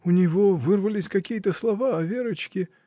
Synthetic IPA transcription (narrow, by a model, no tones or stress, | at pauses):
ʊnʲɪvovɨrvəlʲɪsʲkɐkʲijət̪əslˠɐvaɐvʲeɾət͡ɕkʲɪ